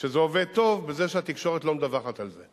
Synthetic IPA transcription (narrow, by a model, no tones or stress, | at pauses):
ʃezeoved̪̚t̪o̞vbezeʃeat̪ikʃo̞ʁet̪lo̞md̪avaχat̪alze